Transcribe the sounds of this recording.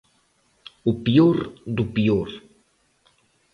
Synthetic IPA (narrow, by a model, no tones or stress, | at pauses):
upioɾd̪upioɾ